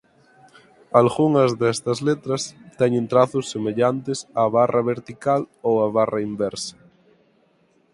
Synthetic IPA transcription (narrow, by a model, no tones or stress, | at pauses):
alɣuŋɐzðɛst̪ɐzlet̪ɾɐst̪ɛɲent̪ɾaθʊsːemeʎant̪esaːβarɐβeɾt̪ikalowɐβarɐimbɛɾsɐ̥